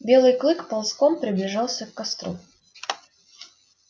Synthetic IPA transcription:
bʲe̞lˠɨjklˠɨkpɐlˠskompɾʲɪblʲɪʐɑlˠsʲəkːɐst̪ɾṵ

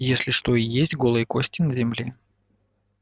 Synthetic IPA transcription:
jesʲlʲɪʂt̪o̞ijesʲtʲɡo̞lˠɨjəkosʲtʲɪnəzʲɪmlʲe

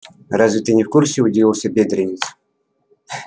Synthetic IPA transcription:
razvʲɪt̪əjnʲɪfkursʲɪʊdʲivʲilˠsʲəbʲed̪ɾʲɪnʲɪs

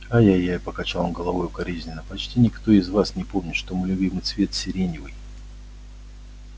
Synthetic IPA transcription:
ajajaɪpəkɐt͡ɕalˠəmɡəlˠɐvojʊkɐɾʲezʲnʲɪnəpɐt͡ɕtʲinʲɪkt̪o̞ɪzvasnʲɪpo̞mnʲɪt̪ʂt̪o̞mɨlʲʊbʲimɨjt̪svʲe̞t̪sʲɪɾʲenʲɪvɨj

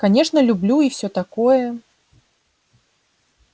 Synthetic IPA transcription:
kanʲɛʂnɐlʲublʲuiwsʲɔt̪akɔjɛ

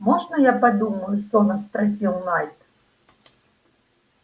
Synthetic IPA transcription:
mɔʐnɐjapad̪umɐjʊsɔnɐspɾas̬ʲilˠnajt̪

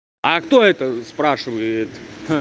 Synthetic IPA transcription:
akt̪o̞ɛt̪əspɾaʂɨvəjɪt̪

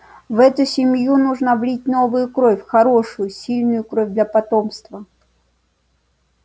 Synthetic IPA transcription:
vɛt̪ʊsʲɪmʲjunuʐnəvlʲit̚ʲnovɨjʊkɾofʲxɐɾoʂʊjʊsʲilʲnʊjʊkɾovʲd̪lʲɐpɐt̪omst̪və

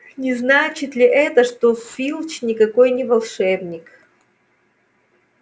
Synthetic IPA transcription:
nʲɪznat͡ɕɪt̪lʲɪʔɛt̪əʂt̪osfʲilˠt͡ɕnʲɪkɐkojnʲɪvɐlˠʂɛbnʲɪk

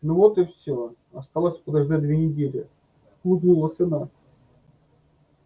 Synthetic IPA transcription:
novot̪ɨfsʲo | ɐst̪alˠəsʲpəd̪ɐʐd̪ad̪vʲenʲɪdʲelʲɪ | ud̪ulˠəsɨna

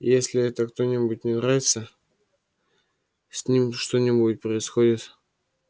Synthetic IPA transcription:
jesʲlʲɪɛt̪əkt̪o̞nʲɪbut̚ʲnʲɪnɾavʲɪt̪sə | sʲnʲimʂt̪onʲɪbuɪt̪̚ʲpɾəɪsxodʲɪt̪

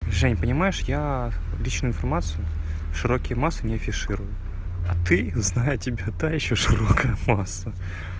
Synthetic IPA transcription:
ʐɛnʲpənʲɪmajɪʂjalʲit͡ɕnʊʊɪnfɐrmat̪sɨjʊʂɨɾo̞kʲɪjəmasːɨnʲɪɐfʲɪʂɨɾʊjʊ | ɐt̪ɨznajʊtʲɪbʲat̪ajɪɕːoʂɨɾokəjəmasːə

